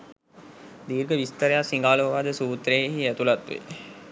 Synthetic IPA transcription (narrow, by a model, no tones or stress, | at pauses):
d̪iːɾɡəʋist̪əɾejasiŋɡaːloʋad̪əsuːt̪ɾejeɦiæt̪ulat̪ʋḛ